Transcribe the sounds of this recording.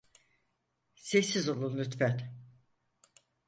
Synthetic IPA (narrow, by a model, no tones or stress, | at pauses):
sesizolˠunlʲyt̪fɛt̪